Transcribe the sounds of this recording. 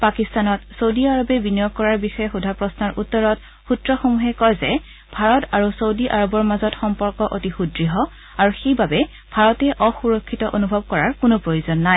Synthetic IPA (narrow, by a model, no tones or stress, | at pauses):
pakistanɔtsowdiaɹɔbɛbinijɔk̚kːɔɹaɹbixɔjɛxudʱapɹɔsnaɹʔutːɔɹɔt | xutɹɔxomuɦɛkɔjzɛ | bʱaɹɔtaɹusowdiʔaɹɔbɔɹmazɔtxɔmpɔɹkɔʔotixudɹiɦɔ | aɹuxejbabɛ | bʱaɹɔtɛʔɔxuɹɔkʰːitɔʔonubʱɔb̚kɔɹaɹkʊnopɹojuzɔnːaj